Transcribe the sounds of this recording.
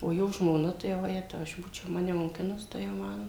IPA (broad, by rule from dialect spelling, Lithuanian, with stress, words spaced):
oː ˈjoː ʒmoːˈnɐ tɐɪ ʋɐˈjæːtɐʊ ɐʃ ˈbuːt͡ʃʲɛʊ ˈmɑːnʲɛ moːˈkʲɪnʊs ˈtɐɪ jɛʊ ˈmɐn